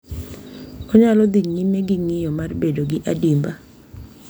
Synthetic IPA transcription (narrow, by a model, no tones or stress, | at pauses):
ɔɲalɔd̪iŋɲimeɡɪŋɪjɔmarbedoɡɪʔadimba